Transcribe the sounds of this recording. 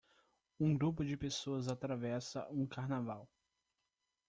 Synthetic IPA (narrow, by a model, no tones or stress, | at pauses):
ũɡɾupʊd͡ʒɪpesoɐzat̪ɾavɛsɐ̰ũkaɾnavaw